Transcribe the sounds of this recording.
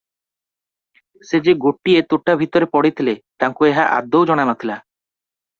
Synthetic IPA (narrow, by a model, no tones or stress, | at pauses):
sed͡ʒeɡoʈːiet̪uʈːabʱit̪ɔɾepɔɽit̪ʰilet̪aŋkueɦaʔa̰d̪ːowd͡ʒɔɽ̃anɔt̪ʰila